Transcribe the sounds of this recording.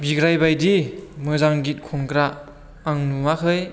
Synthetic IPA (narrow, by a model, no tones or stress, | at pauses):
biɡɾajbajdimɯzaŋɡit̚kʰɔŋkɾaː | ŋnumakʰɯj